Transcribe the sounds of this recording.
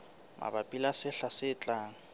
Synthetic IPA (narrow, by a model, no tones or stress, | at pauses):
mʔa̰bapʼilasɪɬasɪːt͡ɬʼaːŋ̩